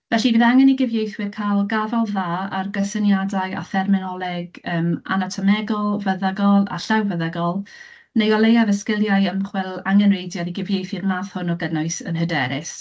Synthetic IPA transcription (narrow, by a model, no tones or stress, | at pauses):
vɛɬiviðaŋɛniɡɪvjejθwɨrkʰajlˠɡavɔlˠðaːarɡəsənjadaɨa̰θɛrmɪnɔlˠɛɡəːma̰natʰɔmɛɡɔlˠvəðaɡɔlˠa̰ɬawvəðaɡɔlˠ | nejɔlˠejavəskɪlˠjaɨəmχwɛlˠaŋɛnrejdjɔðiɡɪvjejθɪrmaːθhʊnɔɡənɔɨsə̰nhədɛɾɪs